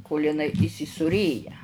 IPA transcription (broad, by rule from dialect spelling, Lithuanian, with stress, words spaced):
koːlʲ ɪˈnɐɪ iːsʲɪsuːˈrʲeːjɛ